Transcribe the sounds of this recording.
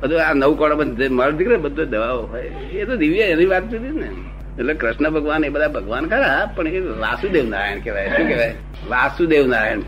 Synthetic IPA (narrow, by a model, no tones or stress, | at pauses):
bəd̪ʱuanəʋukɔɽəpəd͡ʒməld̪ʱikɾebəd̪ʱːod̪əʋaʋoɦɔj | et̪od̪iʋjaɛniʋat̪t͡ʃid̪ine | ɛt̪lekɾɪʃnəbʱəɡʋanebəd̪ʱabʱəɡʋankəɾapəɳeʋa̰sũd̪eʋ̃nd̪a̰ɾa̰jeñkeʋajʃũːkeʋaj | ʋasũd̪eũnaɾaeɳ